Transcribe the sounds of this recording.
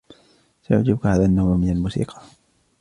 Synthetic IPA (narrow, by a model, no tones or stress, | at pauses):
sajʊ̰ʕd͡ʒɪbkhaːðanːaːmmɪnalmuːsḭːqɑ̥